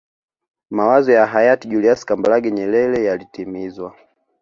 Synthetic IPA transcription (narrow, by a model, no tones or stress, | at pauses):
mawazɔjaɦajatiʄuliasi̥kambalaɡɛɲɛlɛlɛjalitimizwa